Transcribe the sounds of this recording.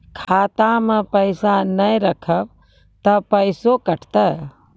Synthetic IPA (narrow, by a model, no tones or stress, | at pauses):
kʰaːt̪ãmepəjsanəjɾəkʰəb | t̪ɐpəjsokɐʈʰt̪ə